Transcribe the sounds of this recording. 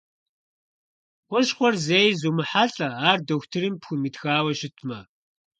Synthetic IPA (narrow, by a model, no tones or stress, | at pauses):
qʷʊʃχʷɔrzeːjzuːmɨħaɬʼɐaːrdoxʷtʰɨrimpxʷʊmiːtxaːwɐʃɪtʰmɐ